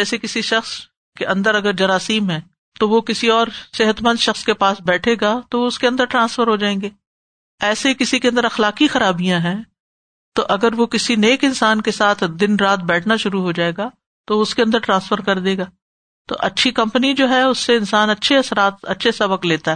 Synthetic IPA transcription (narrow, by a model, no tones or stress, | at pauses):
ɛːsekɪsiʃɐxs | keʔɐ̃nd̪əɾɐɡəɾd͡ʒɐɾaːsiːmɦɛ̃ː | t̪oʋokɪsiɔːɾsɪɦət̪mɐ̃nd̪ʃɐxskepaːsbɛːʈʰeːɡat̪oʋoʊskeɐ̃nd̪əɾʈɾãːnsfəɾɦod͡ʒaːẽːŋɡeː | ɛːsekɪsikeɐ̃nd̪əɾɐxlaːkixɐɾaːbijãɦɛ̃ː | t̪oʔɐɡəɾʋokɪsineːkɪ̃nsaːnkesaːt̪ʰd̪ɪnɾaːt̪̚bɛːʈʰnaʃʊɾuɦod͡ʒaːeːɡa | t̪oʊskeɐ̃nd̪əɾʈɾãːnsfəɾkɐɾd̪eːɡaː | t̪o̰ʔɐtːʃʰikɐ̃mpənid͡ʒoːɦɛʊsːeɪnsaːnɐtːʃʰeɐsɾaːt̪̚ɐ̰tːʃʰesɐbək̚t̪leːt̪aɦɛː